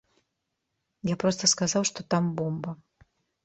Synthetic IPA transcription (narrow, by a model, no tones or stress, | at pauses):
japɾɔst̪ɐskazawʂt̪ɔt̪ambɔmbɐ